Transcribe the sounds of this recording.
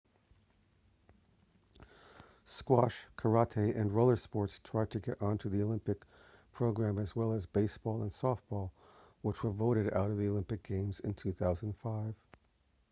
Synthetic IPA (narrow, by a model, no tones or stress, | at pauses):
skwɑʃkʰə˞ɑtʰeʔɨ̃nɹoʊlˠə˞spɔɹtstʰɹ̥aɪd̚tʰɨɡɛɾʔɑ̃ntʰʉðioʊlɪ̃mpɨk | pʰɹ̥oʊɡɹæ̃mɨzwɛlˠəzbeɪsb̥ɔlˠə̃nsɔfb̥ɔlˠ | wət͡ʃwə˞voʊɾɨɾa̰ʊɾʌvðioʊlɪ̃mpɨk̚ɡ̥ẽɪ̃mzɨ̃ntʰʉθaʊz̃n̩dfaɪv̥